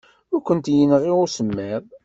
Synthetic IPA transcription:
ʊɾkʷənt̪jənʁiʁʊsəmːæð

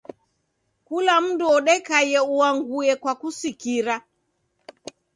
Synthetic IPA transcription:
kulam̩duɔɗɛkajɛuaŋɡuɛkwakusikiɾa

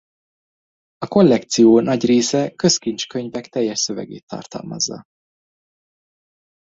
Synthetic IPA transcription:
ɒko̞lːɛkt̪sijoːnɒɟreːsɛkø̞skint͡ʃkø̞ɲvɛkt̪ɛjːɛʃsø̞vɛ̰ɡḛːt̪ːɒ̰rt̪ɒ̰lmɒ̰zːɒ̰

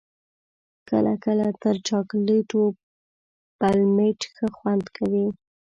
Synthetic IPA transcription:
kəla̰kəlat̪əɾt͡ʃɑkleʈo | palmeʈxəxwand̪kʰawi

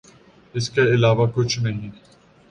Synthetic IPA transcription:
ɪskeɪlaːʋakʊt͡ʃʰnɐɦĩ

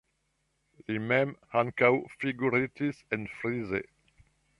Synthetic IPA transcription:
limɛ̃mhãnkawfiɡuɾit̪isɛ̃nfɾizḛ

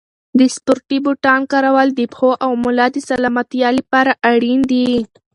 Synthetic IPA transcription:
d̪əspʊɾʈibʊʈɑnkaɾawɑld̪ipxoʔawmʊlɑd̪əsalɑmat̪jɑlipɑɾaʔaɽind̪i

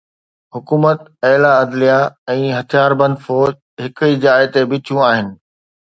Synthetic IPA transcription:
ɦʊkuːmət̪ɛɦlaɐd̪lijaɛ̃ːɦɐt̪ʰijaːɾbɐ̃nd̪fɔːd͡ʑ | ɦɪkid͡ʑaːɪt̪ebɪt͡ɕʰjũaːɦɪnɪ̆

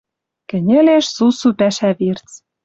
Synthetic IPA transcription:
kɘ̆nʲɘ̆leʃsusupæʃæβirt͡s

